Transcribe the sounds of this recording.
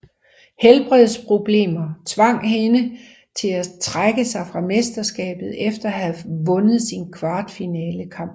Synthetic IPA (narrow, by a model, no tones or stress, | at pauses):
helb̥ʁɛð̰ˠspʰʁo̝b̥le̝̰ːmɐt͡sʰʋɑ̈ŋ̰ɦenə | t͡sʰe̝læt͡sʰʁaɡ̥əsɑ̈ɪfʁɑ̈me̝sd̥ɐsɡ̥ɛ̰ːb̥ð̩ˠefd̥ɐɦæʋɔ̽nəð̞̩ˠsinkʰʋɑ̈ːd̥finɛːləkʰɑ̈m̰b̥